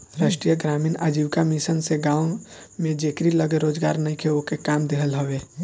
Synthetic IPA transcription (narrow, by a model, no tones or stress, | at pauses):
ɾaːʃʈɾijəɡɾaːmiːnaːd͡ʒiːbkamisənseɡãːo | mẽd͡ʒekɾiləɡeɾoːd͡ʒɡaːɾnəĩkʰeokekaːmd̪eɦəlɦəweː